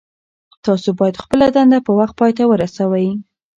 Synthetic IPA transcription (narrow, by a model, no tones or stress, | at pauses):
t̪ɑsobɑjad̪xpəlad̪and̪apəwaxt̪̚pɑjt̪awəɾasawaj